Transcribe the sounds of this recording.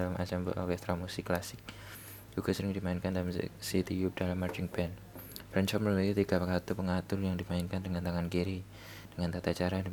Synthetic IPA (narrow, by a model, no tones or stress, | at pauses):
alamʔa̰t͡ʃambə̰ʔɔ̰rkɛst̪ɾamusɪkːlasɪk̚ | d͡ʒuɡ̥asəɾɪŋdimaɪnkandalam̰sit̪ijup̚dalamːard͡ʒɪŋbɛn | bɾɛnt͡ʃɔməlulajut̪iɡ̥apəkat̪upəŋat̪ʊrjaŋdimaɪnkandəŋant̪aŋankiɾi | d̥əŋant̪at̪at͡ʃaɾa